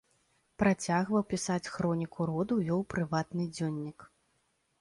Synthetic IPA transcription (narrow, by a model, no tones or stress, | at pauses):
pɾat͡sʲaɣvɐwpʲisat͡sʲxɾɔnʲikʰuɾɔd̪ujɔwpɾɨvat̪nɨd͡zʲɔnʲːik